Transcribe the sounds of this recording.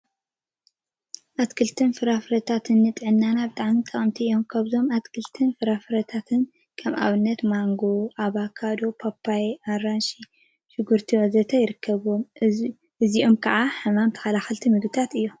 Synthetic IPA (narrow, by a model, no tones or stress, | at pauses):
ʔat̪kʰɨlt̪ʰɨnfɨɾafɨɾɐt̪ʰat̪ʰɨnːɨt̪ʼɨʕɨnːanabɨt̪ʼaʕmit̪ʼɐχʼɨmt̪ʰiʔo̞mkʰaβzo̞mat̪kʰɨlt̪ʰɨnfɨɾafɨɾɐt̪ʰat̪ʰɨn | kʰɐmʔa̰βɨnːɐt̪maŋɡo̞ʔaβakʰad̪o̞pʰapʰːajaɾanʃi | ʃɪɡuɾt̪ʰiwɐzɐt̪ʰɐjɪɾɨkʰːɐβom | ʔɨziʔomkʰɐʔaħɐmamt̪ʰɐ̥xɐlaxɐlt̪ʰimɨɡɨt̪ʰat̪ɨjːo